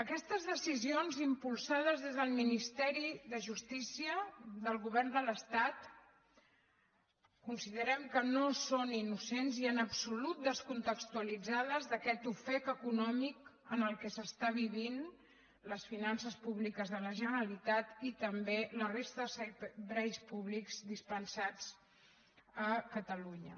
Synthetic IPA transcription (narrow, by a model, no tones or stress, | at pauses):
əkɛst̪əzðəsizionzimpulˠsað̞əzðezðəlˠminist̪ɛɾiðəʒust̪isiəðəlˠɣuβɛrnd̪ələst̪at̪ | kunsiðəɾɛmkənosoninusenziənəpsulut̪̚d̪əskunt̪əkst̪uəlid͡zaðəzðəkɛt̪ufɛk̪əkunɔmikənəlˠkɛsəst̪aβ̞iβin | ləsfinansəspuβlikəzðələʒənəɾəlit̪at̪it̪əmbelərest̪əsbɾɛjspuβlikz̥d̪ispənsad͡z | əkət̪əluɲə̰